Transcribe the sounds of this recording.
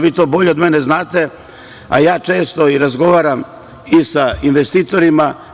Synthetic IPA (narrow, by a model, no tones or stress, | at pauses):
ʋiːt̪o̞ːbo̞ʎeod̪meneznaːt̪e̞ | a̰jaːt͡ʃe̞ːst̪oiɾazɡo̞ʋaːɾam | isainʋest̪iːt̪o̞ɾima